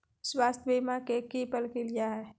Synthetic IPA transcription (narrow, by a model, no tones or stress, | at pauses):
swaːst̪ʰbiːmakekiːpəlkilijaɦɛː